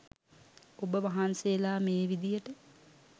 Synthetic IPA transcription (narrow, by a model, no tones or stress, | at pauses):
obəʋaɦansejlaːmeːʋid̪ijəʈə